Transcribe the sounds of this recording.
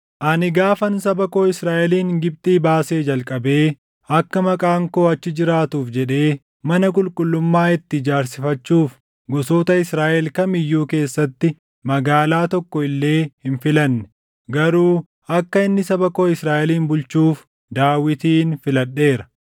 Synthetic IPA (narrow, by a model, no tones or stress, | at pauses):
ʔɐnɪɡaːfɐnsɐbɐko̞ːɪsɾaːʔɛliːŋɡɪb̚t̪ʼiːbaːse̞ːd͡ʒɐlkʼɐbe̞ː | ɐkːɐmɐkʼaːŋko̞ːɐt͡ʃːɪd͡ʒɪɾaːt̪uːfd͡ʒɛᶑe̞ː | mɐnɐk̬ʼʊlkʼʊlːʊmːaːɪt̪ːɪd͡ʒaːɾsɪfɐt͡ʃːuːf | ɡɔso̞ːt̪ɐɪsɾaːʔɛlkɐmɪjːuːke̞ːsːɐt̪ːɪ | mɐɡaːlaːt̪ɔkːɔɪlːe̞ːhɪnfɪlɐnːɛ̥ | ɡɐɾuː | ɐkːɐɪnːɪsɐbɐko̞ːɪsɾaːʔɛliːnbʊlt͡ʃuːf | d̪aːwɪt̪iːnfɪlɐɗːe̞ːɾɐ̥